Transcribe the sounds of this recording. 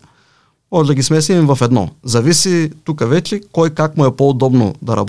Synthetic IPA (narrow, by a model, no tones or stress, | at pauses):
mɔʒd̪ɐɡʲismɛslimvɐfɛd̪nɔ̰zɐvisit̪ukəvɛt͡ʃɛkɔjkakmuɛpoːd̪ɔbno̰d̪ɐɾɐ̰b